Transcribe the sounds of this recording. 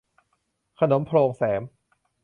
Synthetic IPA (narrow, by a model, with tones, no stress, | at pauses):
kʰa˧no˩˦mpʰɾoː˧ŋsɛː˩˦m